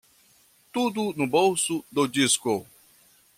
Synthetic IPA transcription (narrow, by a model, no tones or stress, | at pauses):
tudʊnubowsudod͡ʒisko